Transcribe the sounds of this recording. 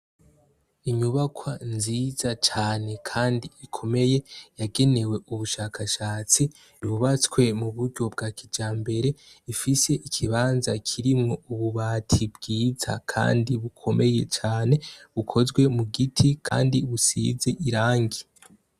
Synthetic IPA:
iɲuβakʰwanziz̥at͡ʃaːne̞kʰaːndiikʰo̞me̞je̞jaɡe̞ne̞we̞ʔuβuʃaːkʰaʃaːt͡si | βuβat͡skwe̞muβuɾɟo̞b̚ɡakʰid͡ʒaːmbe̞ɾe̞ifise̞ʔikʰiβaːnzakʰiɾimŋo̞uβuβaːtʰibɡiːza̰kʰa̰ːndiβukʰo̞me̞je̞t͡ʃaːne̞βukʰo̞zɡwe̞muɡitʰikʰa̰ːndiβusḭzeʔiɾaːŋɡi

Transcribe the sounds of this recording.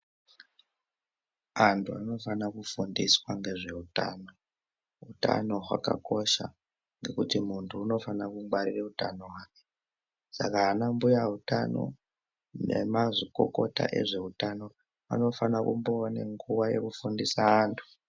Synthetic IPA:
antʰuano̞fanakufundiswaŋɡe̞ʐe̞uta̰no̞ | ɦuta̰no̞ɦwa̰ka̰ko̞ʃa | ŋɡe̞kutimuntʰuːno̞fanakuŋwaɾireutano̞ɦwaːke | sakaːnambujaɦutano̞̰ | nemaʐiko̞̰ko̞ta̰ʔe̞̰ʐe̞utano̞ | a̰no̞fanakṵmboneŋɡuwaje̞̰kufundisaːntʰu̥

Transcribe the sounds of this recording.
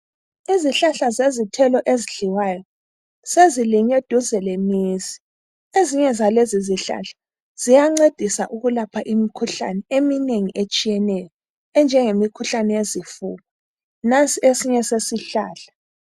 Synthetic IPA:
iziɬaɬazezitʰɛlɔʔeziɮiwajɔ | seziliɲed̥ʱuzɛlemiːzi̥ | eziɲɛzaleziziɬa̰ɬḁ | z̥ijaŋ͡ǀed̥ʱisa̰ʔuɣulapʰaʔimikʰuɬa̰nɛemineŋiʔet͡ʃʼijɛnɛjɔ | ɛnd͡ʒʱɛŋemikʰuɬanɛjezifuːɣɔ | nant͡sʼiesiɲɛsesiɬaːɬḁ

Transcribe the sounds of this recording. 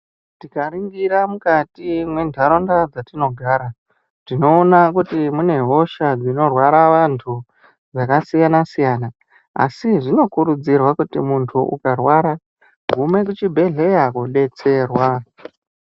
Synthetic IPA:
tikaɾiŋɡiɾamukatimwe̞ndʱaɾondad͡zatino̞ɡʱaːɾa | tino̞ːnakutimune̞ɦo̞ʃad͡zino̞rwaɾaʋantʰu | d͡zakasijanasijaːna | a̰siʐino̞kuɾud͡zirwakutḭmuntʰuʔṵkarwaɾa | ɡʱume̞k̬ut͡ʃibʱe̞ɮe̞jakuɗe̞t͡se̞ːrwa

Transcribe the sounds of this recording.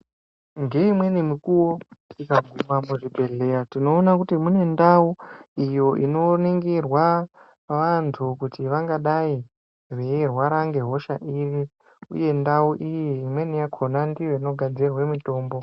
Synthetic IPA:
ŋɡe̞imwe̞nemikuwotikaɡʱumwamuʐibʱe̞ɮe̞ratino̞ːnakutimune̞ndauijo̞ʔino̞niŋɡirwa | ʋantʰukutiʋaŋɡaɗai | rerwaɾaŋɡe̞ɦo̞ʃaʔiri | ṵje̞ndauʔijiimwe̞nijakʰonandijo̞ino̞ɡʱad͡zirwemito̞ːmbo̞

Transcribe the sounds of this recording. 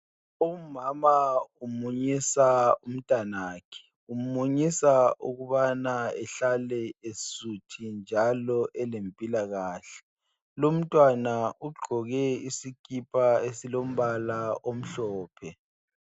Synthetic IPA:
umamaumuɲisaum̩tʼanaːkʰɛ̥ | um̩muɲisaʔuɣuβanaɛɬalɛesutʰind͡ʒʱalɔʔɛlempʼilaɣaːɬɛ̥ | lom̩tʼwanauɡ͡ǃʱɔɣɛisikʼipʰʼaesilom̩βalaʔom̩ɬɔːpʰɛ

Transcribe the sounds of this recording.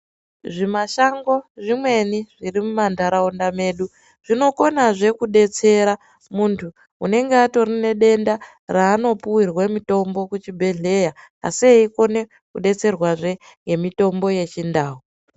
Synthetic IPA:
ʐimaʃaŋɡo̞ʐimwe̞niʐirimumandʱaɾaondame̞ːɗu | ʐ̥ino̞ko̞naʐe̞kuɗe̞t͡se̞ɾa | muntʰuː | ne̞ŋɡeato̞rine̞ɗe̞nda | raːno̞puwirwamito̞mbo̞kut͡ʃibʱe̞ɮe̞ja | a̰sieiko̞ne̞ | kuɗe̞t͡se̞rwaʐe̞ŋɡe̞mito̞mbo̞je̞t͡ʃindaːɦu

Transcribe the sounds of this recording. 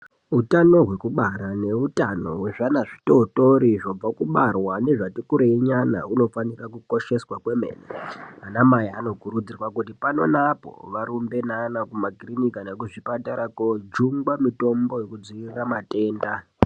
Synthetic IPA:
utano̞ɦwe̞kuɓaɾane̞utano̞̰weʐanaʐito̞to̞ɾiʐo̞b͡vakuɓarwane̞ʐatikuɾeiɲana̰uno̞fanirakuko̞ʃe̞swakwe̞me̞̰ːnḛanamajaːno̞kurud͡zirwakutipano̞napo̞̰ʋaɾumbe̞nanakumakrinikanekuʐipataɾakod͡ʒuŋɡwamito̞mbo̞jekud͡ziiramate̞ːnda

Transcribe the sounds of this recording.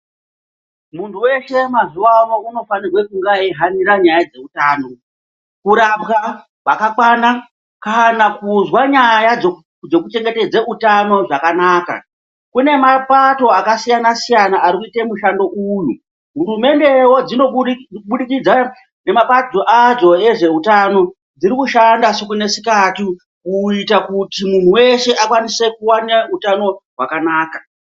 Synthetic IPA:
muntʰuwe̞ʃe̞mazuwawouno̞fanirwe̞kuŋɡaiɦaniɾaɲajad͡ze̞utaːno̞ | kuɾapɣa | ʋakakwana | kanakuzwaɲajad͡zo | d͡zo̞kut͡ʃe̞ŋɡe̞te̞d͡zeʔutano̞ʐakanaːka̰ | kune̞mapato̞akasijanasijanaʔaɾikuitemuʃando̞ʔuju | ɦuɾume̞nde̞wo̞d͡zino̞ɓuɗikid͡za | ne̞mapad͡zoʔad͡zo̞e̞ʐe̞utano̞ | d͡zirikuʃandasekune̞sikati | kuitakutimun̤uwe̞ʃe̞ʔakwanise̞kuwaneutano̞ɦwakanaːka

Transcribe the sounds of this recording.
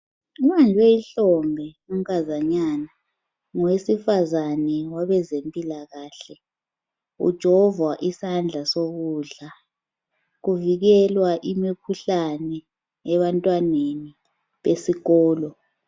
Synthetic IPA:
umand͡ʒʱwɛeiɬɔŋʱɛ | um̩kʰazaɲaːna | ŋɔwesifazanɛwaβɛzempʼilaɣaːɬɛ | ṵd̥ʒ̥ʱɔvwaʔisand͡ɮʱasoɣuːɮa | ɣuviɣɛlwaʔimikʰuɬanɛ | ɛβantʼwaneni | βesiɣɔːlɔ

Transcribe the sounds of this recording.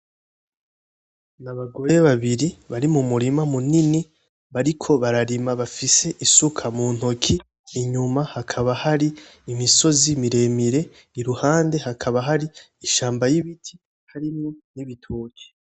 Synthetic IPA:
naβaɡo̞jeβaβiɾiβaɾimumuɾimamunini | βaɾikʰo̞βaɾaɾimaβafise̞ʔisukʰamuːn̥ho̞kʰiː | ɲumahakʰaβahaɾiːmiso̞zimiɾe̞miɾe̞ | iɾuhaːnde̞hakʰaβaɦaɾi | iʃaːmbajiβitʰi̥ | haɾimŋoniβitʰoce̥

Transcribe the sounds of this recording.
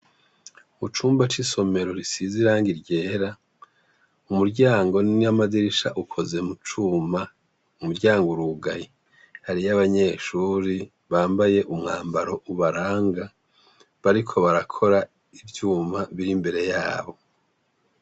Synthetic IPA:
mut͡ʃuːmbat͡ʃiso̞me̞ɾo̞ɾisiziɾaːŋɡiɾɟe̞ːɾa | umuɾɟaːŋɡo̞niamaziɾiʃa̰ʔukʰo̞ze̞mut͡ʃuːma | umuɾɟaːŋɡoɾuɡaji | haɾijaβaɲe̞ːʃuːɾi | βaːmbaje̞ʔumŋaːmbaɾo̞ʔuβaɾaːŋɡa | βaɾikʰo̞βaɾakʰo̞ɾa | ivjuːmaβiɾimbe̞ɾe̞jaːβo̞

